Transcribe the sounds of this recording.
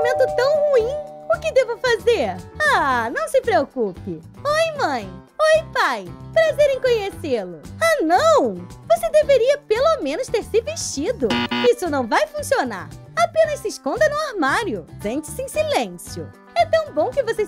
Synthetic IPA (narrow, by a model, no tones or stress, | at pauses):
mẽnt̪ʊt̪ɐ̃w̃huĩʊkɪd̪evʊfazeɾanɐ̃w̃sɪpɾeokupɪ | ojmɐ̃j̃ | ojpajpɾazeɾẽj̃kõɲeselʊanɐ̃w̃vosed̪eveɾiɐpelomẽnʊst̪eɾsɪveʃt͡ʃid̪ʊisʊnɐ̃w̃vajfũsiona̰ɾapẽnɐssɪɪskõnd̪ɐnʊaɾmaɾjʊsẽnt͡ʃɪ̥sɪẽj̃silẽsjʊ̰ | ɛt̪ɐ̃w̃bõw̃kɪvose